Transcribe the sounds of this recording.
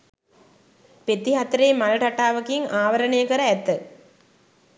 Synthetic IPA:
pet̪ːiɦat̪əɾeːmalɐʈaʈaːʋɐkiŋaːʋɐɾɐɳejəkəɾəæt̪ːə

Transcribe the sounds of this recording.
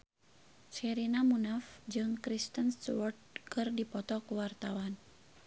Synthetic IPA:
t͡ʃɛɾinamunafd͡ʒɨŋkɾist̪ənst̪uwɔrt̪̚kɨrdipɔt̪ɔkuwart̪awan

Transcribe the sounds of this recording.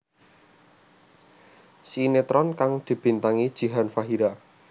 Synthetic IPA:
sinet̪ɾɔnkaŋd̪̥i̤b̥i̤nt̪aŋid̥ʒ̥i̤ɦanfaɦiɾa

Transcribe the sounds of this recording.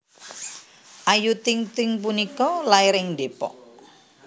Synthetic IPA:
ʔajut̪ɪŋt̪ɪŋp̬unikɔlaɪɾɪŋdepɔ̰ʔ

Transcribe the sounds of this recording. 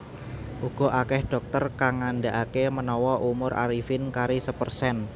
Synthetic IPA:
ʔuɡ̥ɔ̤ʔakɛhɖ̥ɔ̤k̚t̪ərkaŋːandaʔakemənɔwɔʔumʊɾʔa̰ɾifɪnkaɾisəpərsɛn

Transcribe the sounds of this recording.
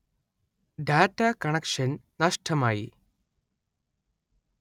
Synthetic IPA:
ɖaːʈːakɐɳɐkʂɐnnɐʂʈʰɐmaːjḭ

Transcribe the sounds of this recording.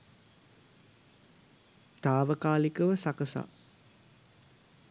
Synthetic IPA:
t̪aːʋəkaːlikəʋəsakəsa̰

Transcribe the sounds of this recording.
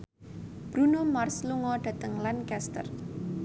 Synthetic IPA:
b̥ɾunomarsluŋɔɖ̥ä̤t̪əŋlankɛst̪ə̰r

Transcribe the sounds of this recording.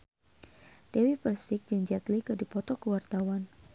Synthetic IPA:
d̥ewipərsɪk̚d͡ʒɨŋd͡ʒat̪likədipɔt̪ɔkəwart̪awan

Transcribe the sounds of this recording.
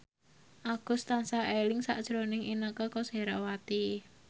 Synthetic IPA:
ʔaɡ̥ʊ̤st̪ansaʔelɪŋsa̰ʔd̥ʒ̥ɾonɪŋʔinəkɔkɔseɾawat̪i

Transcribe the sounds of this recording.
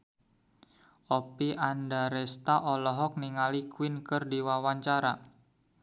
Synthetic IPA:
ʔopiʔandaɾɛst̪aʔɔlɔɦɔk̚niŋalikwɪnkɨrdiwawaɲt͡ʃaɾa

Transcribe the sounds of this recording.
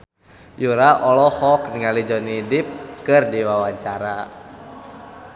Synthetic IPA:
juɾaʔɔlɔhɔk̚niŋalid͡ʒɔnidip̚kɨrdiwawaɲt͡ʃaɾa

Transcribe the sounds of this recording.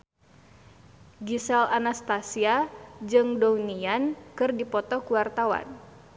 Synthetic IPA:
ɡisɛlanast̪asiad͡ʒɨŋdɔwniankɨrdipɔt̪ɔkuwart̪awa̰n

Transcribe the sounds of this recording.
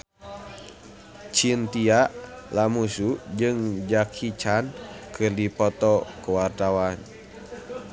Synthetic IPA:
t͡ʃint̪iaʔlamusud͡ʒɨŋd͡ʒakʰit͡ʃankʰɨrdipɔt̪ɔkuwart̪awan

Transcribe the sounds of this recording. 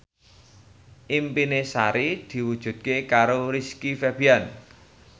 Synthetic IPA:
ʔimpinesaɾid̪̥i̤wud̥ʒ̥ṳt̪̚kekaɾoɾiskifɛb̥ian

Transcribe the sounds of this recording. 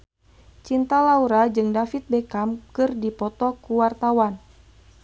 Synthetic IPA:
t͡ʃint̪alauɾad͡ʒɨŋdafit̪̚bɛkamkɨrdipɔt̪ɔkuwart̪awan

